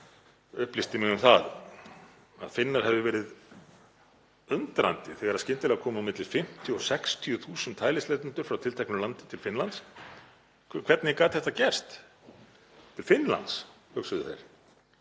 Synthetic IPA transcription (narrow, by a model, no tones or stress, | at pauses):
ʏhplist̪ɪmɪŋnʏmθað | a̰ðfɪnːaɾ̥hɛvðɪvɛːɾɪð | œnt̪ɾa̰nt̪ɪθɛɣaɾaðscɪnt̪ɪlɛɣakʰɔːmamɪt̪lɪlfɪm̥t̪ʰːjʏɔsɛkst̪ʰijʏθuːsʏnt̪ʰːaːjlɪslɛjt̪ɪnt̪ʏɾ̥fɾawt̪ʰɪlt̪ʰɛknʏlant̪ɪ̥t̪ʰɪlfɪnlant̪sʰ | kʰv̥ɛɾt̪nɪkaːt̪θɛht̪acɛr̥st̪ | t̪ʰɪlfɪnːla̰nt̪s | hʏksʏðʏθḛjɾ